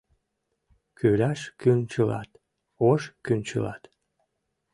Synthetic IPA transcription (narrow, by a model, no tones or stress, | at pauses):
kʰylaʃkynt͡ɕəlɑ̰t̪ | oʃkynt͡ɕə̰lɑ̰t̪